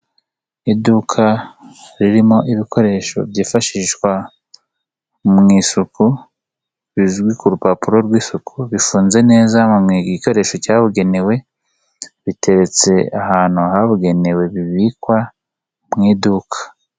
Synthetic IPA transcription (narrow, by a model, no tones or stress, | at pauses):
idukʰaɾiɾimo̞ʔiβikʰo̞ɾe̞ʃo̞̰bɟiːfaʃiʒwa | mŋiːsuku | βizɡwikuɾupapuɾo̞ɾɡwiːsukʰuβifuːnze̞ne̞ːzamumŋiɡiko̞ɾe̞ːʃocaːβuɡe̞newe̞ | βitʰe̞ɾe̞t͡se̞ahaːn̥huhaβuɡe̞ne̞we̞βiβikwa | mŋiːdukʰḁ